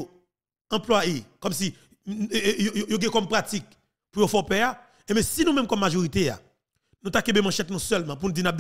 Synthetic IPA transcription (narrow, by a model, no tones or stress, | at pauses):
o | ɐ̃plwajekɔmsi | jojojoɡɛ̃kɔmpʁat͡sik̚ | pujofɔpɛa | ẽmɛ̃sinũmɛ̃mkɔmːaʒoʁit̪ea̰ | nũt̪akẽbemãʃɛt̪nũsœlmãp̬unũd͡zinap̚d̪